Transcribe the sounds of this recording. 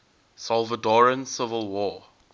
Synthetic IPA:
sɔlˠvədɔɹə̃nsɪvəlˠwɔː

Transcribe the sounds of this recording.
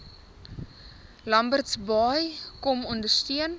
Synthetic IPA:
lɐmbərtsbɑjkɔmɔndərstyən

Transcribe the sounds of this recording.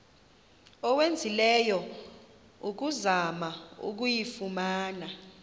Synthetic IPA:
ɔwend͡zʱilɛjɔ | uk̬uzamaṵk̬ujifumaːna

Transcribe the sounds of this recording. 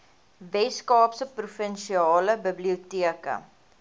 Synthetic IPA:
vɛskɑːpsəprufənʃiɑːləbəbliutiəkə̰

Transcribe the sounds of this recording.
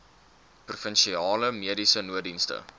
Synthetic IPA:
prufənʃiɑːləmiədisənuədinstə̰

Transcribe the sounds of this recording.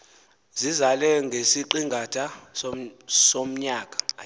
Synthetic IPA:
zizalɛŋɡʱesiǃiŋɡʱatʰa | som̩ɲaːk̬ʼḁ

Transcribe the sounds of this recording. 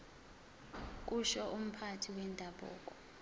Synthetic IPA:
k̬ʼuʃɔʔum̩pʰatʰiwɛndʼʱaɓɔ̰ːk̬ʼɔ

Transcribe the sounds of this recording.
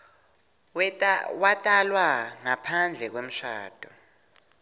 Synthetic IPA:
watʼalwaŋapʰand͡ɮʱɛk̬wem̩ʃaːd̥ʼʱɔ

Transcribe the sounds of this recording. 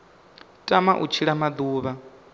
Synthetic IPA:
tʼamaʔṵt͡ʃʰiɺamad̪uːβa

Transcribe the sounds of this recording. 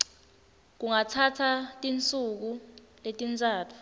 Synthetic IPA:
k̬uŋatʰatʰatʼint͡sʼuk̬u | letʼint͡sʼaːtʰu̥

